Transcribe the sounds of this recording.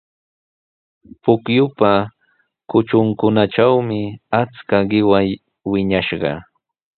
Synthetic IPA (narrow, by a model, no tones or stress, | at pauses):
pʊkjʊpa | kʊt͡ʃʊŋkʊnaʈ͡ʂawmɪat͡skaɢɪwaj | wɪɲaʃɢɑ̰